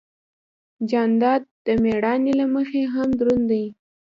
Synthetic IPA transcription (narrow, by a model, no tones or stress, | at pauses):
d͡ʒɑnd̪ɑd̪̚d̪̥əmeɽɑnelaməxeɦamd̪ɾund̪aj